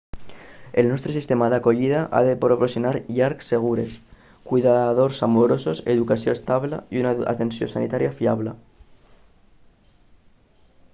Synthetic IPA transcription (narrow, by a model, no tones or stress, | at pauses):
elnost̪ɾesist̪emaðakoʎið̞aʔa̰ðepɾoposjonaɾʎaɾksːeɣ̞uɾes | kwiðaðoɾsamoɾososeðukasjoest̪aβla̰iunaa̰t̪ensjosanit̪aɾjafiaβle